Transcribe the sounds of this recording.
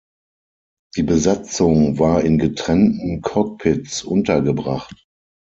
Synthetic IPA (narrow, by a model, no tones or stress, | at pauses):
d̥iːbəzat͡sʊŋvaːɐɪnɡətʁ̥ɛntn̩kʰɔk̚pʰɪtt͡sʔʊntɐɡəbʁaχt